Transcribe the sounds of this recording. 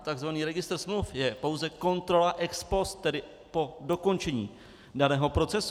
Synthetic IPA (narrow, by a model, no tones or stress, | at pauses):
t̪aɡzvaniːɾɛɡɪst̪r̩smlufjɛpo̞wzɛko̞nt̪ɾo̞laʔɛkspo̞st̪̚t̪ːɛdɪ | po̞do̞ko̞nt͡ʃɛɲḭː | danɛːɦo̞pɾo̞t͡sɛs